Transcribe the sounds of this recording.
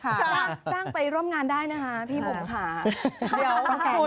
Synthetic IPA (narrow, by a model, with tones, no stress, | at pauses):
kʰːt͡ɕaː˥˩t͡ɕaː˥˩ŋpa˧jɾu˥˩əmŋaː˧ndaː˥˩jna˦˥kʰa˦˥pʰiː˥˩bo˨˩pkʰaː˩˦di˩˦əwɔ˧˩kː